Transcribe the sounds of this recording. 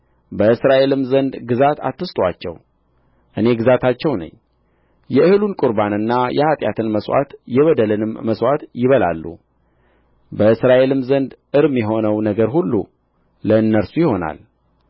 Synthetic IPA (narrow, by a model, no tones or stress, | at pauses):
bəɨsɾaʔe̞lɨmzənd̪ɡɨzat̪ʰa̰t̪ːɨst̪ʼwa̰t͡ʃːɛ̰w | ʔɨne̞ɡɨzat̪ʰat͡ʃːɛwnə̰ɲː | jɛɨhɨlunkʼʊɾbanɨnːajɛhat̪ʼja̰t̪ʰɨnməswa̰t̪jɛβəd̪əlɨnɨmːəswat̪jɪβəla̰lːṵ | bəɨsɾaʔe̞lɨmzənd̪ʔɨɾmjɛɦo̞nəwnəɡəɾhulːṵ | ləɨnːəɾsujɪho̞na̰l